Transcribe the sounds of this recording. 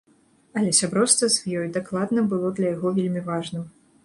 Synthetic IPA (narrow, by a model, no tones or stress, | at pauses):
ɐlʲɛsʲabɾɔwst̪ɐzʲvjɔjd̪aklˠad̪nɐbɨlˠɔd̪lʲɐjaɣɔvʲelʲmʲivaʐnɨm